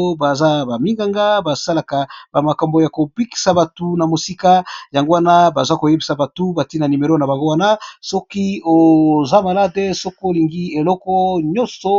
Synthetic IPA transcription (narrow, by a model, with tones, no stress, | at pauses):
ba˨za˦ba˨mi˦ŋɡa˦ŋɡa˦ba˨sa˦la˨ka˨b̥a˨ma˨ka˨mbo˨ja˨ko˨bi˦ki̥˨sa˨ba˨tu˨na˨mo˨si˦ka˦ja˨ŋɡo˦wa˦na˦ba˨za˦ko˨je˦bi˨sa˨ba˨tu˦ba˨ti˦na˨ni˨me˨ɾo˦na˨ba˨ŋɡo˦wa˦na˦sɔ˦ki˦o˨za˦ma˨la˦de˦sɔ˦ko˦˨li˨ŋɡi˦e˨lɔ˦kɔ˦ɲɔ̃˦sɔ˨